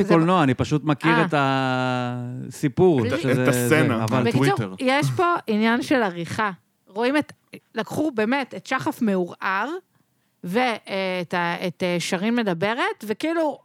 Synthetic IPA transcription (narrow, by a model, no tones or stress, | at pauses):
kolnoaːnipaʃut̪makiʁeta | sipuʁʃzesenaavalvekiuʁjeʃʃpo̞injanʃe̞laʁiχa | ʁo̞imet | lakχube̞ːmetetʃaχafmeuʁaʁ | veːtaet̪eʃaʁimːe̞dabe̞ʁet̪vekilu